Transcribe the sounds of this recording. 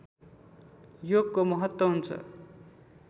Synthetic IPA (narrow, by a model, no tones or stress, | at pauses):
joɡ̚komʌɦʌt̪wʌɦunt͡sʰʌ̰